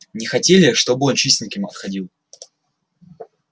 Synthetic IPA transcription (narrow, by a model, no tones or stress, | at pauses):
nʲɪxɐtʲelʲɪʂt̪o̞bɨo̞nt͡ɕisʲt̪ʲnʲɪkʲɪmɐt̪xɐdʲilˠ